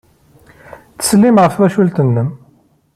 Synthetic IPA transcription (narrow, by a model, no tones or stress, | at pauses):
t̪ə̥slːimʕafwæʃult̪ənːəm